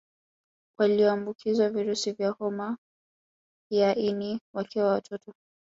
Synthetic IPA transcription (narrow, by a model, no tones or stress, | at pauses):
wʔaliɔambukʰizwaviɾusivjahɔma | hiaʔiniwakʰiwawatʰɔtɔ